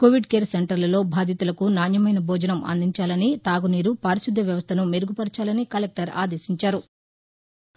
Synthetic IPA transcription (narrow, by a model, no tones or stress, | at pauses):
koːʋiɖke̞ːɾseɳʈɐɾlɐlo̞ːbʱaːd̪ʱjɐt̪ulɐkunaːnjɐmɐjnɐbʱɔːd͡ʒɐnɐmʔɐ̰nd̪ʱiɲt͡ʃaːlɐnit̪aːɡuniːɾupaːɾiʃid̪ʱːɐʋjɐʋɐst̪ʰɐnumeɾuɡupɐɾt͡ʃaːlɐnikɐlek̚ʈɐɾa̰ːd̪e̞ːsiɲt͡ʃaːɾu